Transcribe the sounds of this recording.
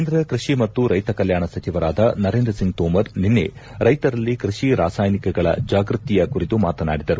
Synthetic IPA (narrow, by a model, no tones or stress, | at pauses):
end̪ɾɐkɾiʂimɐt̪ːuɾɐjt̪ɐkɐljaːɳɐsɐt͡ʃiʋɐɾaːd̪ɐnɐɾeːnd̪ɾɐsiŋɡ̚t̪oːmɐɾninːe̞̰ | ɾɐjt̪ɐɾɐlːikɾiʂiɾa̰ːsaːjnikɛɡɐɭɐ̰d͡ʒaːɡɾut̪ːijɐkuɾit̪umaːt̪ɐna̰ːɽid̪ɐɾu